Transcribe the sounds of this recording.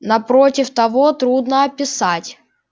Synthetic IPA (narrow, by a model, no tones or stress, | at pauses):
nɐpɾotʲɪft̪ɐvo̞t̪ɾud̪nəɐpʲɪsatʲ